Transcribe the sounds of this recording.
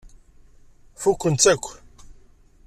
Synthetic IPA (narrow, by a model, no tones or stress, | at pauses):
fukʷːənt̪ækʷː